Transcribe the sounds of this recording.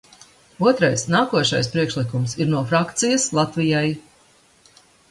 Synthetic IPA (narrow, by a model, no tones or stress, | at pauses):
uɔt̪ɾajsnaːkuɔʃa̰jspɾiɛkʃlˠikumsiɾnuɔfɾakt̪sijɐslˠat̪vijaj